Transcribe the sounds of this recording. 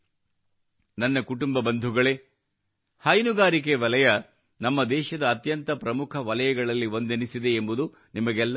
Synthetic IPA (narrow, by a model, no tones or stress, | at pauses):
nɐnːɐkuʈumbɐbɐnd̪ʱuɡɐɭe̞ | hɐjnuɡaːɾik̬eʋɐlɐjɐ | nɐmːɐd̪ɛːʃɐd̪ɐːt̪jɐnt̪ɐpɾɐmukʰɐʋɐlɐjɐɡɐɭɐlːiʋo̞nd̪enisid̪e̞ːmbud̪u | nimɐɡɛlːɐ